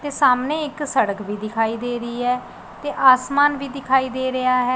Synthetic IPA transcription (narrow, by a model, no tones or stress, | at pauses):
t̪eːsaːmneːɪksəɽəkʋiːd̪ɪkʰaːiːd̪eːɾəiːɦɛː | t̪eːʔaːsmaːnʋiːd̪ɪkʰaːiːd̪eːɾəjaːɦɛː